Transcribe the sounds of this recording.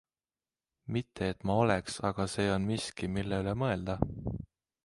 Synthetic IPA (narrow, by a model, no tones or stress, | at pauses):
mit̪ːe̞ːt̪ːˑmɑo̞leksɑɡ̥ɑse̞ːo̞nmiskimilːeyle̞mɤe̞ld̪̥ɑ